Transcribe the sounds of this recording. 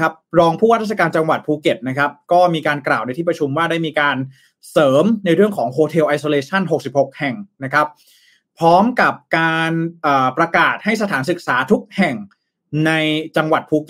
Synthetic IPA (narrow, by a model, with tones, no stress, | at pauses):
a˦˥p̚ɾɔː˧ŋpʰuː˥˩waː˥t̪̚ʰːa˧kaː˧nt͡ɕa˧ŋwa˨˩t̪̚pʰuː˧ke˨˩t̪̚na˦˥kʰa˦˥p̚kɔː˥˩miː˧kaː˧nklaː˨˩wna˧jt̪ʰiː˥˩p̚ɾa˧t͡ɕʰu˧mwaː˥˩da˥˩jmiː˧kaː˧n | sɤː˩˦mna˧jɾɯ˥˩əŋkʰɔː˩˦ŋhʰoː˧t̪ʰe˧wʔa˧jsoː˧leː˧t͡ɕʰa˥˩nɦo˨˩k̚si˨˩p̚ho˨˩k̚hɛ˨˩ŋna˦˥kʰa˦˥p̚ | pʰːɾɔː˦˥mka˨˩p̚kaː˧nʔɤː˨˩pɾa˧kaː˨˩t̪̚ha˥˩js̬a˧t̪ʰaː˩˦nsɯ˨˩k̚saː˩˦t̪ʰu˦˥k̚hɛ˨˩ŋ | na˧jt͡ɕa˧ŋwa˨˩t̪̚pʰuː˧k